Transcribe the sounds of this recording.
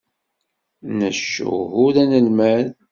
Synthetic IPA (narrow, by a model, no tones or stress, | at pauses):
nəʃːṵɦʊðænəlmæð